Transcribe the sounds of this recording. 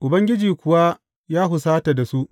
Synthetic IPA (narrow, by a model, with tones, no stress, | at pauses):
ʔʊ˨bɐ˦ŋɡʲɪ˦d͡ʒiː˨kʷʊ˨wa˦ | jaː˦ɦʊ˨s̬aː˦ta˨da˨su˦ʔ